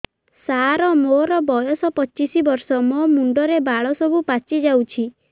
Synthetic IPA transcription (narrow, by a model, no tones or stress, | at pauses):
saɾɔmoɾɔbɔjɔsɔpɔt͡ʃisibɔɾsɔmomuɳɖɔɾebaɭɔsɔbʱupat͡ʃid͡ʒawt͡ʃʰi